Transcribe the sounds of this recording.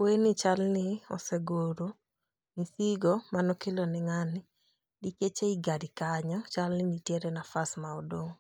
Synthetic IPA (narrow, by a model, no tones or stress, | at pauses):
wenɪt͡ʃalnɪɔ̰sɛɡoɾo | niθiɡɔmanɔkelɔnɪŋanɪ | diket͡ʃeiɡadikaɲɔt͡ʃalnɪnitjeɾɛnafasmaodoŋ